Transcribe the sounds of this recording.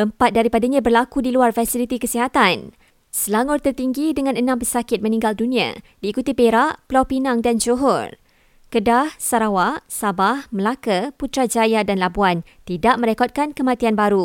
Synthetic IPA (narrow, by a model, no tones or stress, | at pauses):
ʔəmpat̪̚daɾipadaɲãbərlakudiluarfasilit̪ikəsiɦat̪an | səlaŋɔrt̪ərt̪iŋɡidəŋãnənãmpəsakɪt̪̚mə̃nĩŋɡaldunĩa̰diːkut̪ipeɾaʔpəlawpinaŋdand͡ʒoɦɔ̰r | kədahsaɾawaʔsabahməlakaput̪ɾad͡ʒajadanlabuan | t̪idaʔmə̃ɾekɔt̪̚kankəmãt̪ianbaɾu